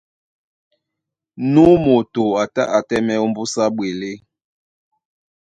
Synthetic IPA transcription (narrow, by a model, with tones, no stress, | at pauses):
nu˦mo˨to˨a˨ta̰˦ʔa˨tɛ˦mɛ˦ɔ˦m̩˦bu˦sa˦ɓwe˨le˦